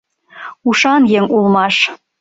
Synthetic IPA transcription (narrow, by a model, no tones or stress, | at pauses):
uʃɑnjeŋulˠmɑʃ